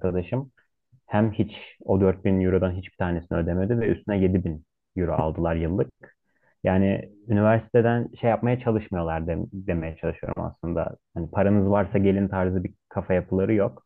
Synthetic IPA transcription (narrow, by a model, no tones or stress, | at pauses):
kʰad̪aʃɯm | hæmhit͡ʃo̞d̪øɾt̪̚binjuɾud̪anɦit͡ʃbi̥t̪ʰaːnesinyød̪emed̪ivɛʔy̰st̪ʰynɛje̞d̪ibin | juɾṵʔa̰lˠd̪ɯlˠaɾjɯlˠːɯk̚ | jaːnɪ̰ynivæɾsi̥t̪ʰe̞d̪ænʃejːap̚majat͡ʃʰalˠɯʃmɯjo̞lˠaɾd̪d̪e̞me̞jɛt͡ʃʰalˠɯʃɯjo̞ɾṵma̰slˠɯnd̪a̰hanipʰaɾanɯzvaɾsaɟe̞lʲint̪ʰaɾzɯbikʰafajapʰɯlˠaɾɯjok